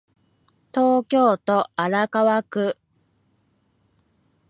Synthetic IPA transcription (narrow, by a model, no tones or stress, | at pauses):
t̪o̞ːkʲo̞ːt̪o̞aɾakaβakɯ̟